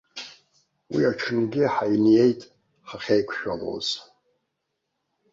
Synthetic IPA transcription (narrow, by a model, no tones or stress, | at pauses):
wiaʈ͡ʂʰɨnɡʲɪħajnje̞jtʼ | ħaχʲejkʷʰʃᶣʷalo̰z̥